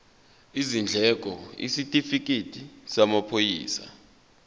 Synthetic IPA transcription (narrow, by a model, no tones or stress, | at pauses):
izind͡ɮʱɛk̬ʼɔḭsitʼifik̬ʼitʼisamapʰojḭːsa̰